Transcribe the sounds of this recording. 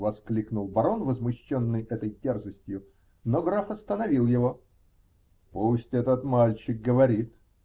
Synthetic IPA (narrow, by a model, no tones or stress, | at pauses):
vɐsklʲiknʊlˠbɐɾo̞nvəzmʊɕːonːɨjʔɛt̪əjtʲerzəsʲtʲjʊ | noɡɾafɐst̪ənɐvʲilˠjɪvo̞ | pusʲtʲɛt̪ət̪malʲt͡ɕɪk̚ɡəvɐɾʲit̪